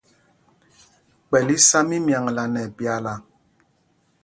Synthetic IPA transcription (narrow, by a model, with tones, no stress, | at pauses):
k͡pɛ˨li˦sa˦mi˦mja˨ŋ˨la˨nɛ˨pja˨la˨